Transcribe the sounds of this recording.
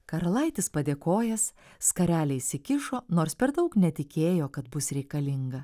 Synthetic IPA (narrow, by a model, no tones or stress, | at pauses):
kɐɾɐlˠɐɪt̪ʲɪspɐd̪ʲeːkoːjɛsskɐɾʲæːlʲɛɪsʲɪkʲɪʃoːnoːɾspʲɛɾd̪ɐʊknʲɛt̪ʲɪkʲeːjoːkɐt̪bʊsɾʲɛɪkɐlʲɪŋɡɐ